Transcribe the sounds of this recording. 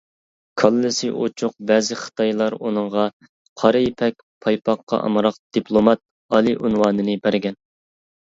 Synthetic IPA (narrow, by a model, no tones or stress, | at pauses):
kʰɑlˠːɨsɨʔot͡ʃʰʊq̚bɛːzɪχə̥t̪ʰɑjlˠɑɾunɨɴʁɑ | qʰɑɾɨjipʰɛkʲ | pʰɑjpʰɑqːɑ̰ʔɑ̰mɾɑqd̪̥ipʰlˠomɑt̪̚ | ɑlˠiʔunwɑːnɨnɨbæɾɡʲɛn